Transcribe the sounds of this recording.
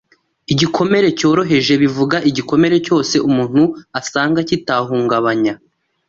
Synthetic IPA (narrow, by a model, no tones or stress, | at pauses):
iɟikʰo̞me̞ɾe̞co̞ːɾo̞ɦe̞ʒe̞βivuɡaʔiɟiko̞me̞ɾe̞co̞ːse̞ʔumuːn̥huasaːŋɡacitaɦuːŋɡaβaɲa